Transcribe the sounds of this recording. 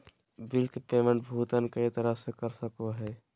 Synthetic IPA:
bilkepeːməɳʈ̚bʱuːt̪ənkəit̪əɾəsekəɾsəkoɦɛː

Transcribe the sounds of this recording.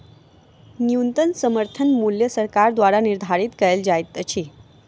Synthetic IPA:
njunt̪ənsəməɾt̪ʰənmuljəsəɾkaɾd̪ʋaɾaniɾd̪ʱaɾiːt̪kəeld͡ʑajt̪ət͡ɕʰiː

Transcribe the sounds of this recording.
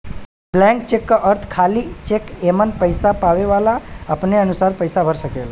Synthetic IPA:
blɛ̃ŋk̚t͡ʃekːʔəɾt̪ʰkʰalit͡ʃekemənpəjsapaʋeʋalaapneənusaɾpəjsabʱəɾʃəkela

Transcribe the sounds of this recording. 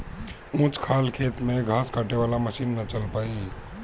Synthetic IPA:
ũːt͡ʃkʰaːlkʰeːt̪mẽɡʱaːskaʈeʋaːlaməʃiːnːət͡ʃəlpaːi

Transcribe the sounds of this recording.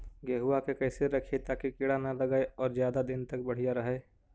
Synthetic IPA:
ɡeːɦuakekɐːseɾɐkʰet̪aːkikɪɽanalɐɡaːeɔːɾzjaːd̪ad̪ɪnt̪ɐk̚bɐɽ̤ijaɾɐɦeː

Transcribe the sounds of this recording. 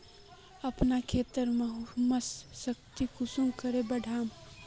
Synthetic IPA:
əpnakʰet̪əɾmẽɦuməsːək̚t̪ikʊsuŋkəɾebəɖʱaːm

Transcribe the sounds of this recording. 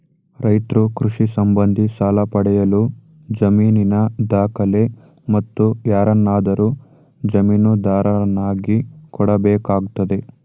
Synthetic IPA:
ɾɐjt̪ɾukɾuʂisɐmbɐnd̪ʱisaːlɐpɐɽɛjɐlu | d͡ʒɐmiːninɐd̪aːkɐle̞ | mɐt̪ːujaːɾɐnːaːd̪ɐɾu | d͡ʒɐmiːnud̪aːɾɐɐnːaːɡikɔɽɐbɛːkaːɡt̪ɐd̪e̞

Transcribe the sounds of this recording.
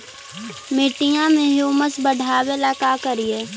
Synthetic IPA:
mɪʈijãmẽɦoːməsbəɽʱaːwelaːkakəɾijeː

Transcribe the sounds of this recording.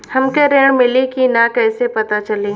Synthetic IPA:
hɐmkeɾeːɽ̃mɪlikinakɛːsepɐt̪at͡ʃɐle

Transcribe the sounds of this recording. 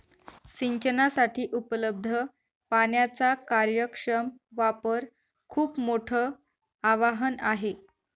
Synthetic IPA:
ɕiɲt͡ɕənasaʈʰiːʔupləb̚d̪ʱə | panjat͡sakaɾjəkʂəmʋapəɾ | kʰuːpmoʈʰəː | aʋaɦənaɦe

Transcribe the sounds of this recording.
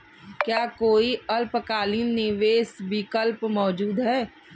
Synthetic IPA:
kjaːkoːiɐlpəkaːlinːɪʋeːsbɪkəlpmɔːd͡ʒuːd̪ɦɛː

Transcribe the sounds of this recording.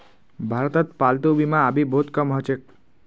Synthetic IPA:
bʱaɾt̪ət̪̚palt̪ubimãabibʱot̪kəmɦət͡ʃek̚

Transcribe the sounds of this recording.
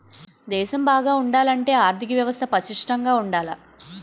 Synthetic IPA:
d̪ɛːʃɐmbaːɡaːuɳɖaːlɐɳʈe̞ːaːɾt̪ʰik̬ɐʋjɐʋɐst̪ʰɐpɐʃiʂʈɐŋɡaːuɳɖaːlɐ

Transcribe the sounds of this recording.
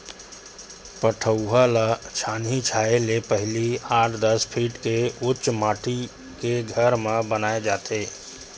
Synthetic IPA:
pəʈʰəʊɦalət͡ʃʰanit͡ʃʰaelepəɦɪliaːʈʰd̪əspʰiːʈkeʊt͡ʃmaːʈʰi | keɡʱəɾmẽbənaːed͡ʒaːt̪e

